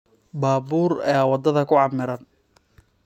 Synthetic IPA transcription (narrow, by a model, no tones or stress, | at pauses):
baːbuːrɛ̰ːwɑd̪ɐðɐkʰʊʕɑmɪɾɐn